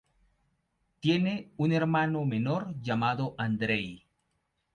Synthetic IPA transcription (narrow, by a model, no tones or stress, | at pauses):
t̪je̞neune̞ɾmanomenoɾʝamaðoʔand̪ɾej